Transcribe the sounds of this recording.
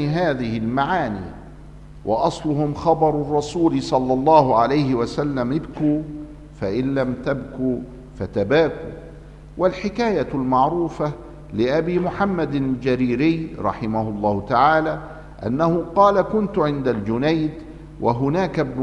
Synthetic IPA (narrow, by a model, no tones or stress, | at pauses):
ɦaːðɪhɪlmaʕaːnḭː | wʔɑ̰ʔɑsˤlʊhʊmxɑbɑɾˤʊrˤːɑsuːlɪsˤɑlːɑlˤːɑːhʊʕalajhɪwasalːamʔɪbkuː | faʔɪnlamt̪abkuː | fat̪abaːkṵː | walħɪkaːjalmɑʕɾuːfa | lɪʔabiːmʊħamːad̪ld͡ʒaɾiːɾɪjɾˤɑħɪmahʊlˤːɑːhʊt̪aʕaːlaː | ʔanːahʊqɑːlakʊnt̪ʊʕɪnd̪ald͡ʒʊnajd̪ | wʔaɦʊnaːkabn